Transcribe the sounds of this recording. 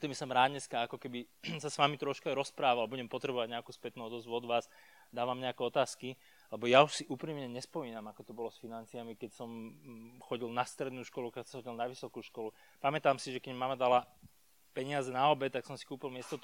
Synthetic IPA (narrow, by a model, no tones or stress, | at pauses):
ɛt̪ɔmisɔmɾaːd̪ɲɛskaakɔkɛbisasʋamit̪ɾɔʃkaɾɔspɾaːʋalbuɟɛmpɔt̪ɾɛbɔʋaɟɲɛakuːspɛt̪nuɔd̪ɔzʋɔd̪ʋaːz | d̪aːʋamɲɛakɛɔt̪aːski | lɛbɔjauʃsiʔuːpɾiːmɲɛɲɛspɔmiːnamakɔt̪ɔbɔlɔsfinant͡siamikɛcsɔmxɔɟilnast̪ɾɛd̪nuːʃkɔlukasahɔɟilnaʋisɔkuːʃkɔlu | pamɛt̪aːmsiʒɛkɛɟmmaːmad̪ala | pɛɲɪazɛnaɔbɛt̪aksɔmsi̥kuːpilmɪɛst̪ɔt̪